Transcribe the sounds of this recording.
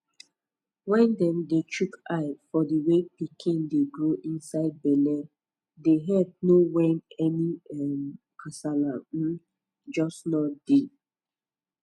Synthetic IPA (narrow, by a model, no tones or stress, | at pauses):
wɛ̃ndɛ̃ndet͡ʃukaɪfɔdiwepikʰĩndeɡɹoʔĩnsaɪd̚bɛlɛ | deɦɛd̚nowɛnɛniɛm | kʰasalã | d͡ʒɔsnɔd̥e